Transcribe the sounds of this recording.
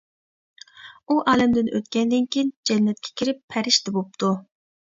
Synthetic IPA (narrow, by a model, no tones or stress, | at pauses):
uʔɑːlɛmd̪ɪnʔø̰t̪kʲɛnd̪ɪnkʲʰijind͡ʒɛnːɛt̪̚kʲʰɛ̥kʲʰiɾɪpʰːæɾɪʃt̪ʰɛbop̚t̪ʰu